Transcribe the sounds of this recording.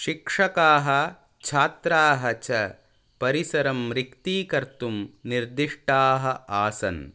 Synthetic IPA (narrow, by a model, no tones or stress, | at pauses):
ʃikʂɐkaːɦɐ | t͡ʃʰaːt̪ɾaːɦɐt͡ʃɐ | pɐɾisɐɾɐmɾikt̪iːkɐɾt̪umniɾd̪iʂʈaːɦɐ̆aːsɐ̰n